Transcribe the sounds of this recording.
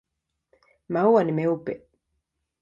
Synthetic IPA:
mawanimeupe

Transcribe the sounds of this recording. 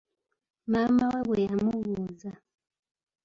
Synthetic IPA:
mamawɛβɔjamuɣuza

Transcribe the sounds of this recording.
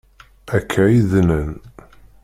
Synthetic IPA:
ækʰːæiðnən

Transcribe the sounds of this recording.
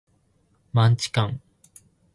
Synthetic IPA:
mãɲt͡ɕi̥kãŋ

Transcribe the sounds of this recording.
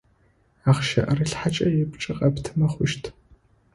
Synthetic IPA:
aːχʃɐ̰ʔɐriɬħat͡ʃʼɐjɛpt͡ʃʼɪqʼɐptʰɨmɐχʷʊʃtʰ

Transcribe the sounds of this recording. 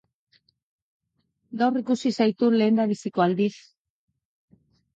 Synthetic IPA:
d̪awrikusisajt̪ule̞ːnd̪aβisikoald̪is

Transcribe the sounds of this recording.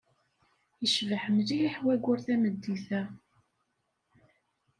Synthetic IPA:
jəʃvəħəmliiħwæɡʷʊɾθæməd̪ːiθæ

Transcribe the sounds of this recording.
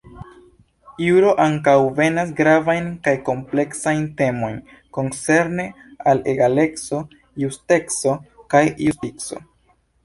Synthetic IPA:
iuɾo̞ʔaŋkawve̞nas̬ɡɾavajnkajko̞mple̞ksajnte̞mo̞jn | ko̞nt͡se̞ɾne̞ | alḛɡale̞kso̞ | juste̞kso̞kajjustikso̞̰

